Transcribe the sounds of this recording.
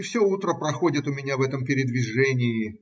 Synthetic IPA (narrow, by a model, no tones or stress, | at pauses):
fsʲout̪ɾəpɾɐxo̞dʲɪt̪ʊmʲɪnʲavɛt̪əmpʲɪɾʲɪd̪vʲɪʐɛnʲɪjɪ